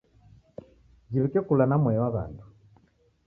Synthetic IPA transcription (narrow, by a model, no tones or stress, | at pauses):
d͡ʒiβikɛkulanamwɛwaβa̰ndu